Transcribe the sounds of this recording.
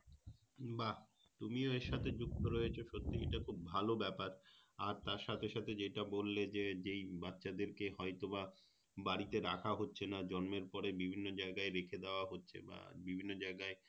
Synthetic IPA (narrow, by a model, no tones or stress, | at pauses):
ba | t̪umioeʃat̪ʰed͡ʑuk̚t̪oɾɔet͡ɕʰoʃot̪ːiḛʈakʰub̚bʱalobɛpaɾaɾt̪aɾʃat̪ʰeʃat̪ʰed͡ʑeʈabolːed͡ʑed͡ʑejbatːɕʰad̪eɾkeɦɔet̪oba | baɽit̪eɾakʰaɦotːɕʰenad͡ʑɔnmeɾpɔɾebibʱinːod͡ʑaeɡaeɾekʰed̪eoaɦotːɕʰḛba̰bibʱinːod͡ʑaeɡae